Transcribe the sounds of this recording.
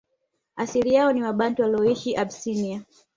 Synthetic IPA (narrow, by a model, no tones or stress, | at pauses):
asiɾijaɔniwaɓantiwaliɔiʃiʔabsinia